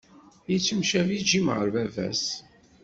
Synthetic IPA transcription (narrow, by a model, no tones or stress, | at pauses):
jit͡sːəmʃævid͡ʒimʁəɾvævæ̰s